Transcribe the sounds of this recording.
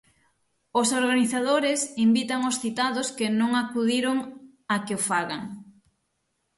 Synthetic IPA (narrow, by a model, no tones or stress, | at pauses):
ʊsoɾɣaniθað̞oɾɪsimbit̪aŋosθit̪aðʊskɪnõŋakuðiɾoŋ | akɪofaɣaŋ